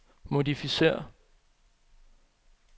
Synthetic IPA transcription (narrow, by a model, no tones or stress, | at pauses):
mo̝difise̝̰ːɐ̰